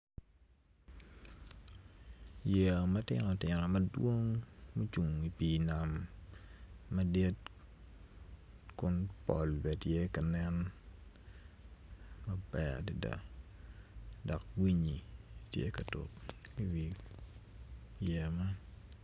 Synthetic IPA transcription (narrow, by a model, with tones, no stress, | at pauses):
je˨mɐ˦tɪ̰nɔ˨tɪ˨nɔ˨mɐ˦dwo˦ŋmu˦t͡ʃu˨ŋi˨pi˨na˨m | ɐde˦t̚ | kʊnpɔ̰˨lbɛ˨tje˦kɐ˨nɛ˦n | mɐ˦bɛ˨a̰˨di˨da̰˨ | dɔ˨k̚wi˦ɲi˨tjḛ˦kɐ˨to̰˨p̚i˦wi˨ | je˨ma˦n